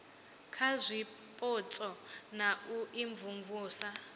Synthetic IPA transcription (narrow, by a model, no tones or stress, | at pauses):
kʰazʷi | pʼɔt͡sʼɔnaʔuʔiɱvuɱvuːsa